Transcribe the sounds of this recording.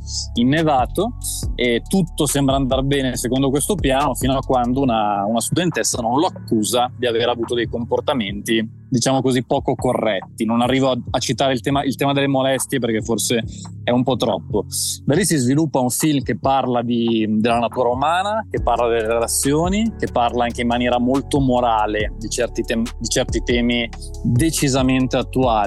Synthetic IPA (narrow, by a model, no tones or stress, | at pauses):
inːevaːt̪o | et̪ːut̪ːosembɾaːnd̪arbɛːnesekond̪okwest̪opjaːnofiːnoakwand̪ounaunast̪ud̪ent̪esːanonloakːuːzad̪iaveːɾavuːt̪od̪ejkomport̪ament̪i | d̪it͡ʃaːmokozipːɔːkokorːɛt̪ːinonarːiːvoaat͡ʃːit̪aːɾeilt̪ɛːmaʔilt̪ɛːmad̪elːemolɛst̪jep̬erk̟efːorseɛumpɔt̪ɾɔ̰pːod̪alisizvilupːauɱfilmkepːarlad̪id̪elːanat̪uːɾaumaːnakepːarlad̪elːeɾelat̪sːjoːnik̟epːarlaaŋk̟eimːanjɛːɾamolt̪omoɾaːled̪it͡ʃɛrt̪it̪ɛːmd̪it͡ʃɛrt̪it̪ɛːmi | d̪et͡ʃizament̪eat̪ːuaːli